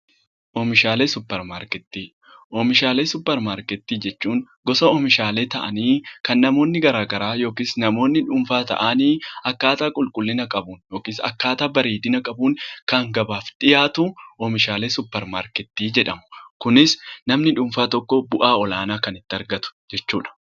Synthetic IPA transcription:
ʔɔːmɪʃaːleːsʊpːɛɾmaːɾkɛt̪ːiː | ʔɔmɪʃaːleːsʊpːɛɾmaːɾkɛt̪ːiːd͡ʒɛt͡ʃːuːŋ | ɡɔsɐɔmɪʃaːle̞ːt̪ɐʔɐ̰niːkɐnːɐmo̞ːnːɪɡɐɾaːɡɐɾaːjo̞ːkiːsnɐmo̞ːnːɪᶑʊmfaːt̪ɐ̰ʔaniːɐkːaːt̪aːkʼʊlkʼʊlːɪnɐkʼɐbuːnjo̞ːkiːsɐ̰kːaːt̪aːbɐɾiːd̪ɪnɐkʼɐbuːŋkɐŋɡɐbaːfᶑɪjaːt̪ʊɔmɪʃaːle̞ːsʊpːɛɾma̰ːɾkɛt̪ːiːd͡ʒɛᶑɐmʊ̥kʊnɪsnɐmnɪᶑʊmfaːt̪ɔkːɔbʊʔaːɔlaːnaːkɐnɪt̪ːɐɾɡɐt̪ʊ̥d͡ʒɛt͡ʃːuːᶑɐ̥

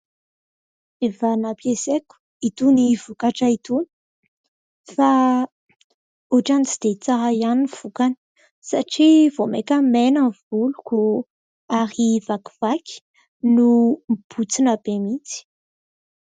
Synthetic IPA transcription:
evanapjesekʲu̥ | it̪univukaʈ͡ʂəit̪uni̥ | fa | uʈ͡ʂanit͡sid̪̥et͡saɦajaniv̥ukani̥ | saʈ͡ʂivomekʲəmenavuluku | aɾivaku̥v̥akʲi̥ | numb̥ut͡sinabemit͡si̥

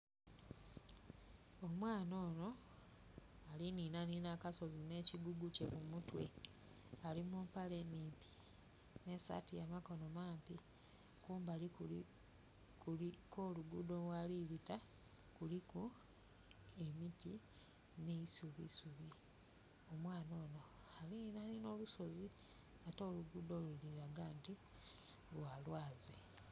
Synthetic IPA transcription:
omwaːno̞ːno̞ | alininaninakaso̞zine̞ːciɡuɡuce̞mumutwe̞̰ | alimumpale̞niːmpi̥ | ne̞sa̰tijamako̞no̞maːmpi | kuːmbali | kuikoːluɡudo̞lwaliβita | kuliku | e̞miti | ne̞isuβḭsuβi | omwaːno̞ːno̞ | alinalino̞luso̞zi | ato̞ːluɡudo̞luliɾaɡaːnti | lwalwaːzi

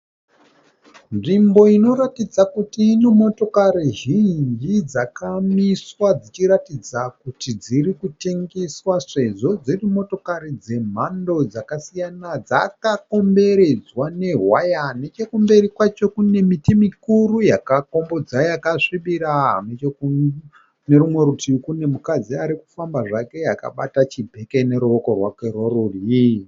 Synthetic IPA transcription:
nʐimbo̞ino̞ɾatid͡zakutinimo̞to̞kaɾiʒiɲd͡ʒid͡zakamiswad͡zit͡ʃiɾatid͡zakutid͡ziɾikute̞ŋɡe̞swaʂe̞ʐo̞d͡zirimo̞to̞kaɾid͡ze̞m̤ando̞d͡zakasijanad͡za̰kako̞mbe̞ɾe̞d͡zwane̞ɦwajane̞t͡ʃe̞kumbe̞ɾikwat͡ʃo̞kune̞mitimikurujakako̞mbo̞d͡zajakaʂiɓiɾanet͡ʃoku | ne̞ɾumwe̞ɾutikune̞mukad͡ziaɾiku̥fambaʐake̞jaka̰ɓatat͡ʃibʱe̞ke̞ne̞ɾuʋo̞ko̞rwake̞rworuri

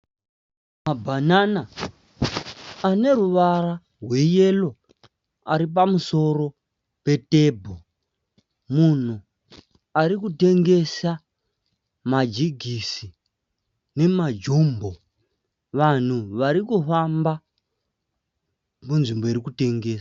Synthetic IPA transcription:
mabʱanana | ne̞ɾuʋara | ɦwe̞je̞lo̞ | aɾip̬amuso̞ro̞ | pe̞te̞ːbʱo | mun̤u | aɾikute̞ŋɡe̞sa | mad͡ʒiɡʱisi | ne̞mad͡ʒuːmbo̞ | ʋan̤uʋaɾikufamba | munʐimbo̞irikute̞ŋɡe̞ːsḁ

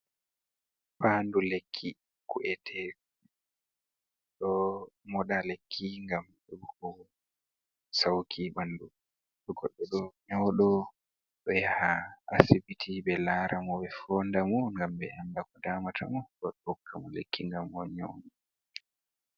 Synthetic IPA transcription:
paːndulekʰːi | kuʔɛtʰɛ | ɗɔmɔɗalekʰːiŋɡamɗɛbɔhɔ | sawkʰiɓandu | ɗɔɡɔɗːɔɗɔɲawɗɔ | ɗɔjahaʔasibitʰiɓɛlaːɾʔamɔbɛfɔːndamɔŋɡambɛandakɔdaːmatʰa̰mɔɗɔɗɔɔkʰːamɔlḛkːiŋɡamɔɲɔ̰wnɔ

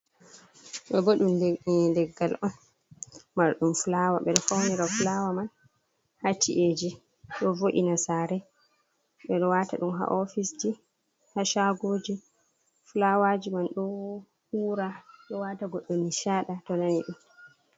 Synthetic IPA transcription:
ɓɛɡoɗudɛɡːalʔɔn | maɾɗumfulawa̰ɓɛɗɔfawniɾafulawaman | hatiʔed͡ʒi | ɗɔvoʔinasaɾɛ | ɓɛɗɔwataɗumɦa̰ʔɔfisd͡ʒi | haʃaɡoːd͡ʒi | fulawad͡ʒimanɗɔ | huːɾaɗɔwataɡɔɗːɔniʃaːɗatɔnaniɗum

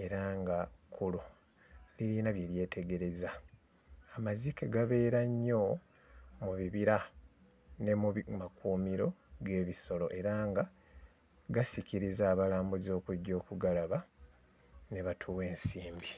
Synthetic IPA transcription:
e̞ɾaŋɡakʰulu | liɾinaβjeɾje̞ːtʰe̞ɡe̞ɾe̞za | amazikeɡaβe̞ːɾaɲːo̞ | muβiβiɾa | ne̞mumakʰuːmiɾo̞ɡe̞ːβiso̞lo̞̰ʔe̞ɾaːŋɡa | ɡasiciɾizaːβalaːmbuzo̞ːkuɟːo̞ːkuɡalaβa | ne̞βatʰuːwe̞ːnsiːmbi

